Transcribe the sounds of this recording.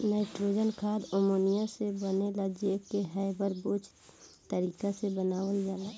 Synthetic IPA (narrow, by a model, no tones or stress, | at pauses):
naɪʈɾoːd͡ʒənkʰaːd̪omoːnijasebənelad͡ʒekːeɦɛɪbəɾboːt͡ʃʰ | t̪əɾiːkasebənaːwəid͡ʒaːlaː